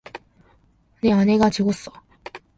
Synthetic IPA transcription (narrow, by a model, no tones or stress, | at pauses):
neane̞ɡat͡ɕeɡos͈ʌ̥